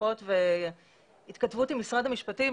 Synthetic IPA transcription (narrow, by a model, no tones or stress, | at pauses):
otve | it̪katvut̪imisʁadhamiʃpati